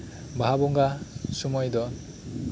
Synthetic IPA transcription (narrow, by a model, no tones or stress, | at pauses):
baabɔŋɡasumɔjd̪ɔ